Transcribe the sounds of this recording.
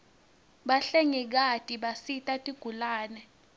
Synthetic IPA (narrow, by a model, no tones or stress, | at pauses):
ɓaɬɛŋik̬atʼiɓasitʼatʼiɡ̥ʱulaːnɛ